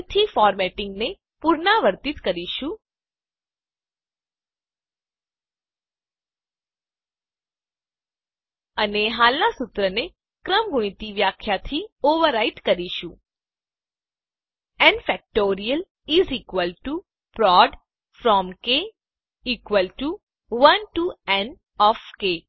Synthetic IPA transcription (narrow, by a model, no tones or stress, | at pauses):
t̪ʰifɔɾmɛʈĩŋɡne | puɾnaʋəɾt̪it̪kəɾiʃũ | əneɦalnasut̪ɾəne | kɾəmɡuɽ̃it̪iʋjakʰjat̪ʰioʋəɾaiʈkəɾiʃũ | ɛ̃nfɛk̚ʈoɾijəl | iziːkʋəlʈu | pɾɔɖ | fɾɔmke | ikʋəlʈu | ʋənʈuɛn | ɔfke